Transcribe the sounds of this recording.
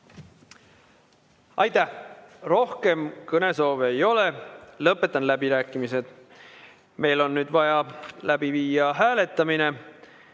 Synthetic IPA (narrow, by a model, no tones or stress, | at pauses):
ɑjt̪ˑæhro̞hke̞mkɤne̞so̞ːvejo̞le̞lɤpːˑe̞t̪ːˑɑnlæbiɾæːkːˑimise̞d̪̥ | me̞jlo̞nːyːd̪vɑjɑlæbiviːjɑɦæːle̞t̪ːˑɑmine̞